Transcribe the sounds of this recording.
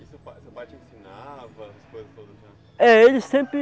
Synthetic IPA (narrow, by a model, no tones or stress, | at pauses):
isʊpaesɐpaɾt͡ʃẽsinavɐɐskojzɐst̪od̪ɐznɛ | ɛelɪsẽpɾɪ